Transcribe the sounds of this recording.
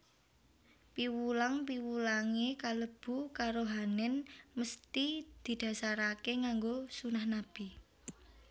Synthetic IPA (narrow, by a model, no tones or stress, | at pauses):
piwulaŋpiwulaŋekaləb̥ṳkaɾoɦanɛnməst̪id̪̥i̤d̪̥ä̤saɾakeŋaŋɡosunahnab̥i